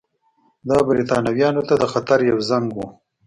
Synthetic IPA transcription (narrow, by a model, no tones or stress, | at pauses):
d̪ɑbɪɾit̪ɑnawjɑnot̪ad̪əxat̪aɾjawzaŋɡwu